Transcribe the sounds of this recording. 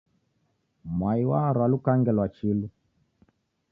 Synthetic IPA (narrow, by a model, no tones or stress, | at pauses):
mwaiwaɾwalukaŋɡɛlwat͡ʃilu